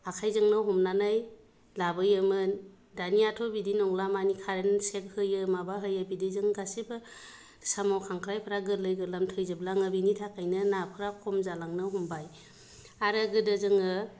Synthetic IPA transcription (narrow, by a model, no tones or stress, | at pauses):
akʰajzɯŋnɯɦɔmnanaj | labɯjɯmɯn | daniatʰɔbidinɔŋlamanikʰaɾensek̚hɯjɯmabaɦɯjɯbidizɯŋɡasibɯ | samawkʰaŋkʰɾajpʰɯɾaɡɯlɯjɡɯlamtʰɯjzɯblaŋɯbinitʰakajnɯnapʰɯɾakʰɔmzalaŋnɯɦumbaj | aɾɯɡɯdɯzɯŋɯ